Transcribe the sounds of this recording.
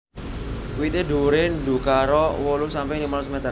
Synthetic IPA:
kwit̪eɖṳɾend̪ṳkaɾɔwɔlusampɪŋdimalusmet̪ə

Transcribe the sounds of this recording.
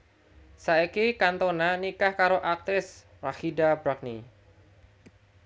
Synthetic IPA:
saekikant̪onanikahkaɾoʔak̚t̪ɪs | rahidabɾak̚ni

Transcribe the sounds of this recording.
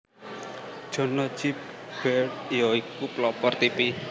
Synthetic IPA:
d̥ʒ̥ɔ̤nɔ̥d͡ʒip̚ɡ̥ɛɖijoikuplɔpɔrt̪ipi

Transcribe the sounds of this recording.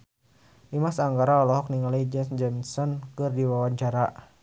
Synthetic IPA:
ʔimasaŋɡaɾaɔlɔɦɔkniŋalaid͡ʒɔnsd͡ʒɔnsɔnkɨrdiwawaɲt͡ʃaɾa

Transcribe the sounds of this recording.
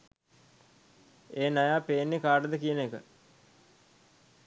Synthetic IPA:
eːnajaːpeːnːekaːɖəd̪əkijənekə̰

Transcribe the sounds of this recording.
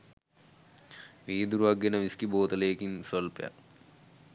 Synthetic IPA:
ʋiːd̪uɾʋɐɡːenɐʋiskiboːt̪ɐleːkinsolpja̰

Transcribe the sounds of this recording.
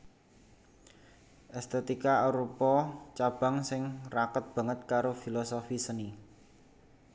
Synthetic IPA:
ʔɛst̪et̪ikaoɾupɔt͡ʃab̥a̤ŋsɪŋrakət̪̚b̥ä̤ŋət̪̚kaɾofilosofisəni

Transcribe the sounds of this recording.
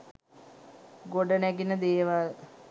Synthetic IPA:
ɡoɖənæɡinəd̪eːʋal

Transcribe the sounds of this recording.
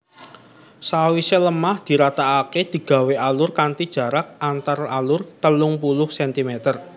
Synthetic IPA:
sawiseləmahd̪̥i̤ɾat̪aːked̪̥i̤ɡ̥a̤weʔalʊrkant̪id̥ʒ̥a̤ɾak̚ant̪aralʊrt̪əlʊŋpulʊhsɛnt̪imet̪ər

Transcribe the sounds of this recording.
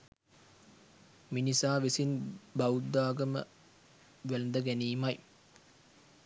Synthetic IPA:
minisaːʋesinbɐwud̪ːaːɡəmə̰ | ʋæld̪əɡæniːmɐj

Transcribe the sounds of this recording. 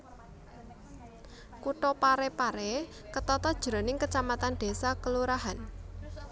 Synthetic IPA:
kuʈɔpaɾepaɾɛ | kət̪ɔt̪ɔd̥ʒ̥əɾo̤nɪŋkət͡ʃamat̪and̪̥e̤sakəluɾaɦan

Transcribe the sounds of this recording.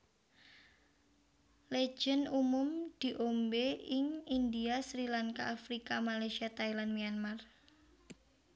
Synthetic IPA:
le̥d͡ʒ̥ənumʊmd̪̥i̤ʔombeɪŋind̪iasɾilaŋka̰ʔːfɾikamalajsiat̪ailanmianmar

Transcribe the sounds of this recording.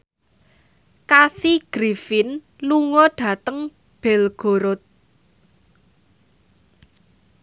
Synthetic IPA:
kasiɡ̥ɾifɪn | luŋɔɖ̥ä̤t̪əŋ | b̥ɛ̤lɡ̥o̤ɾʊt̪̚

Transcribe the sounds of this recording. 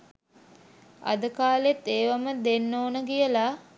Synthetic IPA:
a̰d̪əkaːlet̪ːeːʋaməd̪enːoːnəɡijəla

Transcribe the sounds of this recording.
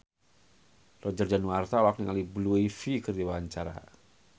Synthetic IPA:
rɔd͡ʒərd͡ʒanwart̪aɔlak̚niŋalibluefikərdiwaaɲt͡ʃaɾa̰

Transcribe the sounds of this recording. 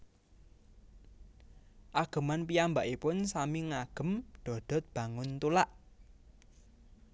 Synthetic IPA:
ʔaɡ̥ə̤manpiambaʔipʊnsamiŋaɡ̥ə̤mɖ̪̥ɔ̤ɖ̪̥ɔ̤t̪̚b̥ä̤ŋʊnt̪ulaʔ

